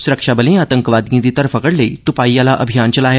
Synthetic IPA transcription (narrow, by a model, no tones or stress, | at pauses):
suɾəkʂabəlẽaːt̪əŋkəʋaːd̪ĩd̪it̪ɐɾfəkəɽleit̪upaːijalaʔəbʱijaːnt͡ʃɐlaɦe